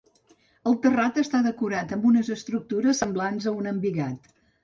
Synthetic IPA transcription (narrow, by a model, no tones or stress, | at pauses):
əlˠt̪ərat̪əst̪aðəkuɾat̪əmbunəzəst̪ɾuk̚t̪uɾəsːəmblanzəunəmbiɣat̪